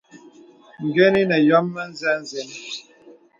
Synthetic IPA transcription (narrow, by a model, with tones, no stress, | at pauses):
ŋ̩˨ɡe˦ni˦nə˨jɔ˦mːə˦n̩˦zɛ˦n˦ze˨˦n